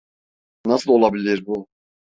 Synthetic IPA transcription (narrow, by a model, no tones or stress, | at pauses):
nasɯlˠo̞lˠabilʲiɾbu